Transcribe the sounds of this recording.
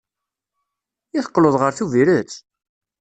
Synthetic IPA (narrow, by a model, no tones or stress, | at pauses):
jiθə̥qːloðˤʁəɾθuviɾət͡sː